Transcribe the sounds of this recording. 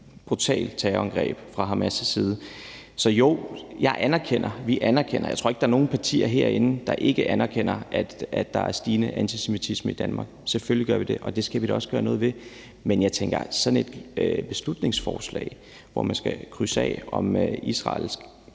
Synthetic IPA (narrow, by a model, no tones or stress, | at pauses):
b̥ʁut͡sʰɛ̰ːlt͡sʰɛɒŋɡ̥ʁɛ̰ːb̥fʁɑ̈ɦɑ̈mæsəsiːð̞ˠə | sɒ̽jo̝ʊ̰jɑ̈ɪʔænæɐkʰen̰ɐʋiʔænɐkʰen̰ɐ̰jɑo̝ɐeɡ̥d̥ɑæɐno̝ːn̩pʰɑ̈t͡sʰḭːɐɦe̝ɐ̰e̝nn̩d̥ɑ̈ʔe̝ɡ̥əʔænɐkʰen̰ɐʔæd̥æd̥ːɑ̈æɐsd̥iːnəʔænt͡sʰisemit͡sʰisməid̥ænmɑ̈ːɡ̥seføliɡɶɐʋid̥e̝ʔɒ̽d̥e̝sɡ̥æʋid̥æɒ̽səɡ̥ɶːɐnɔ̽ːð̞̩ˠʋe̝ | menjɑ̈ɪt͡sʰeŋɡ̥ɐ̰sɒ̽dn̩e̝d̥øb̥e̝slud̥ne̝ŋsfɒ̰ːslɛ̰ːɪ | ʋɒ̰mænsɡ̥ækʰʁysɛ̰ːɒ̽mʔisʁɑ̰̈lsɡ̥